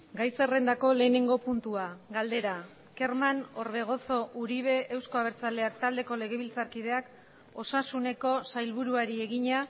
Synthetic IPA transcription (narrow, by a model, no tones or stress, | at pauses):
ɡajse̞re̞nd̪ako̞le̞ːneŋɡo̞punt̪uaɡald̪e̞ɾa | ke̞ɾmano̞ɾβe̞ɣ̞o̞so̞ʔuɾiβ̞e̞ʔːwsko̞aβ̞e̞ɾt͡sale̞ak̚t̪ald̪e̞ko̞le̞ɣ̞e̞β̞ilt͡saɾkið̞e̞ak | o̞sasune̞ko̞sajlβuɾuaɾie̞ɣ̞iɲa